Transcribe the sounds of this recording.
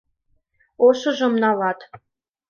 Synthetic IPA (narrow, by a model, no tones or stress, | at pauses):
oʃɤ̆ʒə̆mnɑlɑt̪